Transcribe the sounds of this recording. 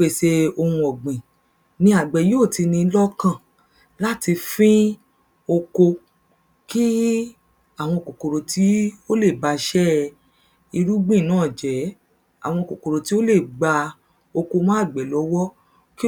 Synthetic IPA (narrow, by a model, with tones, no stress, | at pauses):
e˨ʃe˧o˧hũ˧ɔ˨ɡ͡bĩ˨ | nĩ˦a˨ɡ͡bɛ˨˦jo˦˨ti˧nĩ˧˦lɔ˦kã˦˨ | la˦ti˧fĩ˦ | o˧ko˧ | ki˦ | a˦˨w̃ɔ̃˧ko˨ko˨ɾo˨tʰi˨˦o˦le˦˨ba˧ʃɛ˦ | i˧ɾu˦ɡ͡bĩ˦˨nãː˨˦˨d͡ʒɛ˨˦ | a̰˦˨w̃ɔ̃˧˨ko˨ko˨ɾo˨ti˦o˦le˦˨ɡ͡ba˧ | o˧ko˧mã˦˨ɡ͡bɛ˨lɔ˨˦wɔ˦ | ki˦